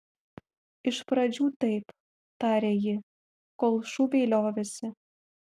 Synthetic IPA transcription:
iʃpɾɑd͡ʑut̪ɤjp | t̪ɑɾʲejɘ̆ | kolˠʃuβelʲɑβĕsɘ̆

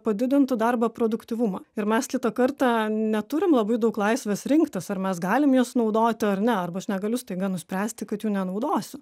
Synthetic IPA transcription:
pɐd̪ʲɪd̪ʲɪnt̪ʊd̪ɑrbɐpɾoːd̪ʊkt̪ʲiːʋʊmɐɪɾmʲɛskʲɪt̪ɐkɐrt̪ɑnʲɛt̪ʊɾʲɪmlˠɐbɐɪd̪ɐʊklˠɐɪsʲʋʲesɾʲɪŋkt̪ɐsɐɾmʲɛsɡɑːlʲɪmjuːsnɐʊd̪oːt̪ʲɪɐrnʲɛɐrbɐɐʃnʲɛɡɐlʲʊst̪ɐɪɡɐnʊsʲpʲɾʲæːsʲt̪ʲɪkɐt̪juːnʲɛnɐʊd̪oːsʲʊ

